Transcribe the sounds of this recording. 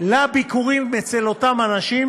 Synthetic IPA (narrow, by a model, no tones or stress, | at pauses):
labikuʁimːet͡selo̞t̪amanaʃim